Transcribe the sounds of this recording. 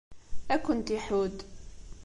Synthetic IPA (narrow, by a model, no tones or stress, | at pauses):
ækʷːʊnt̪iħud̪